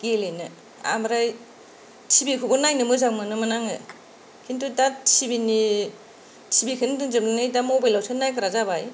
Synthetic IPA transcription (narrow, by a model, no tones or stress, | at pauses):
ɡ̥elenɯ | a̰mɾaj | tʰibikʰubɯnajnɯmɯzaŋmɯnɯmanaŋɯ | kʰintudasibini | sʰibikʰɯndɯŋzɯbɯnajdamobajlawsʰanajkɯɾazabaj